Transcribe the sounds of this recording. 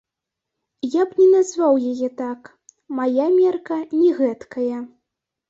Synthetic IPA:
japnʲɛnazvawjajɛt̪ak | majamʲɛrkɐnʲɛɣɛt̪kʰɐjɐ

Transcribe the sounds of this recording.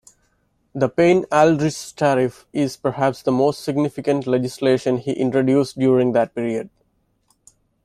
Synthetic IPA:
d̪əpẽːnælɖɾɪsʈʰæɾɪf | ɪzpəɾɦæpsd̪əmoːsʈsɪɡnɪfɪkə̃ɳʈled͡ʒɪsleːʃə̃nhiːʔɪ̃ɳʈɾoɖjuːsʈɖjuːɾɪ̃ŋɡd̪æʈ̚piːɾiəɖ̚

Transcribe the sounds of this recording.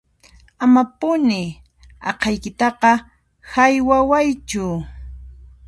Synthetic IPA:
amapʊnɪ | ɑ̰qɑjkɪt̪ɑqɑ | hajwawajt͡ʃʊ

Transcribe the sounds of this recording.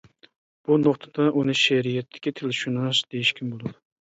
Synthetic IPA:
b̥unoqt̪ʰad̪̥aʔunɪʃeɾijat̪ʰːɪ̥kʲɪt̪ʰelɪʃunaʃd̪̥ejɪʃkʲʰɪmbolˠʊd̪ɪ

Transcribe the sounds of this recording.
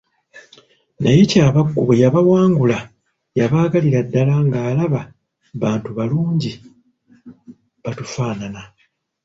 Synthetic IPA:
najecaːβaɡːuβejaβawaːŋɡula | jaβaːɡaliɾadːalaŋɡaːlaβa | βaːntuβaluːɲɟi | βatufaːnana

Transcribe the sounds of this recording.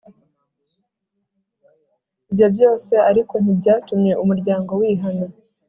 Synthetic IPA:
ibjo̞bjo̞ːse̞aɾiko̞n̥ibɟaːtumɲe̞ʔumuɾɟaːŋɡo̞wiːɦana

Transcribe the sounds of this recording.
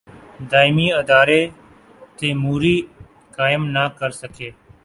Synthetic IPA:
d̪aːɪmiːəd̪aːɾeː | t̪eːmuːɾiː | kaːɪmnaːkəɾsəkʰeː

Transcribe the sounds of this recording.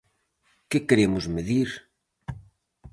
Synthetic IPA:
kɪkeɾemʊzmeðiɾ

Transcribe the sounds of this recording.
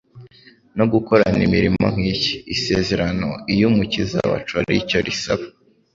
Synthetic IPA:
no̞ɡuko̞ɾanimiɾimo̞̰ŋ̥hiːci̥ːse̞ze̞ɾano̞̰ijumucizaβa̰t͡ʃaɾḭco̞ɾisaβa

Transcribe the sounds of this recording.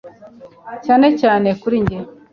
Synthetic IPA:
caːnecaːne̞kuɾiɲɟe

